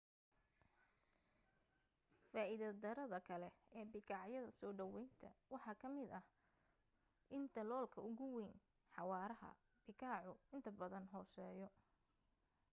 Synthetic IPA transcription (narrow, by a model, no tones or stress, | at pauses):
faːʔɪðɐd̪ɐɾɐðɐkʰɐlɛɛːbɪkʰɑʕjɐðɐsɔːɖɐwɛjnt̪ʰɐ̰wɑħɑːkʰɐmɪd̪ɐh | ʔɪnt̪ʰɐlɔːlkʰɐʊɣʊwɛːn | ħɑwɑːɾɐɦɐ̰ | b̥ɪkʰaːʕʊɪnt̪ʰɐbɐðɐnɦɔːsɛːjɔ